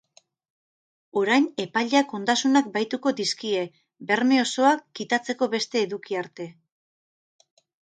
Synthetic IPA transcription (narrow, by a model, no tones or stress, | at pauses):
o̞ɾajne̞paʎako̞nd̪asunak̚bajt̪uko̞d̪iskie̞ | be̞ɾme̞o̞so̞akːit̪at͡se̞ko̞βe̞st̪e̞ːðukiaɾt̪e̞